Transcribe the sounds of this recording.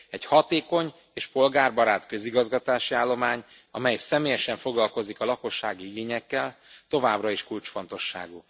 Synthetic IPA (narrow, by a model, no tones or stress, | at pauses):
ɛchɒt̪eːko̞ɲ | eːʃpo̞lɡaːrbɒɾaːt̪kø̞ziɡɒzɡɒt̪aːʃiaːlːo̞maːɲ | ɒmɛjsɛmeːjɛʃɛɱfoɡlɒlko̞zikɒlɒko̞ʃːaːɡiiɡeːɲɛkːɛlt̪o̞vaːbrɒiʃkult͡ʃfon̪t̪o̞ʃːa̰ːɡu